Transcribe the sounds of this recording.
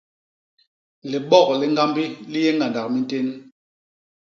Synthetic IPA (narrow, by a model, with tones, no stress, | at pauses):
le˨ɓɔ˦˨kli˨ŋɡa˦mbi˦li˦jɛ˦ŋɡa˨nda˨k̚mi˦nte˦n